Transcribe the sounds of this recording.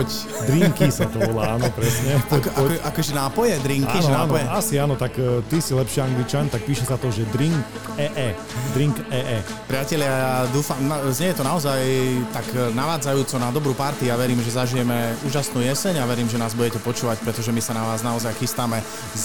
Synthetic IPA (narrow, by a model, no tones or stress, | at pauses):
d̪ɾiŋkisat̪ɔʋɔlaaːnɔpɾɛsɲɛt̪kʔakɔʒɛnaːpɔjɛd̪ɾiŋkainʒɛnaːpɔjɛasiaːnɔt̪akt̪isilɛpʃiaŋɡlit͡ʃant̪ak̚piːʃɛsat̪ɔʒɛd̪ɾiŋk | ɛʔɛ | d̪ɾiŋkɛʔɛː | pɾɪacɛʎɪad̪uːfamzɲɛjɛt̪ɔnaɔzajt̪aknaʋaːd͡zajuːt͡sɔnad̪ɔbɾuːpaɾt̪ijaʋɛɾiːmʒɛzaʒijɛmɛuːʒasnuːjɛsɛɲaʋɛɾiːmʒɛnaːzbuɟɛcɛpɔt͡ʃuːʋacpɾɛt̪ɔʒɛmisanaʋaːznaɔzajxist̪amɛ | z